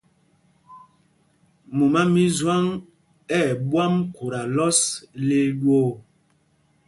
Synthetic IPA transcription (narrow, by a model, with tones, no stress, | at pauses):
mo˨ma˦mi˦zwa˦ŋ | ɛ˦˨ɓwa˦mko˨ɾa˨lɔ˦sle˦ɗwo˦˨